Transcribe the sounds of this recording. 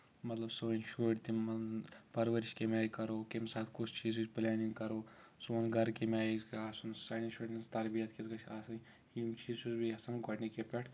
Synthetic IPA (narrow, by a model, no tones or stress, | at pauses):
mɐt̪lɐbsoinʃuɖt̪imɐpɐɾʋɐɾiʃkemaːjkɐɾoːkemsaːt̪ʰkut͡ʃʰt͡ʃiːzit͡ʃplaːniŋɡkɐɾoːsunɡʱɐɾkemaːzkaːsunsaniʃuʈist̪ɐɾbijɐt̪kezɡɐt͡ʃʰasɐ | imt͡ʃiːzt͡ʃuzbiɐsɐnɡɐʈnikepeʈ̪ʰ